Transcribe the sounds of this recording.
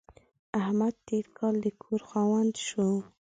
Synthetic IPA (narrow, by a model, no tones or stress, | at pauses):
ahmad̪̚t̪eɾkʰɑld̪əkʰoɾxɑwand̪ʃu